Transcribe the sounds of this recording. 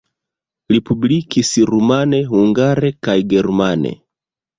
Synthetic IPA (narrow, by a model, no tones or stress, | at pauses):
ɾipublikisiɾumanehuŋɡaɾekajɡeɾmanḛ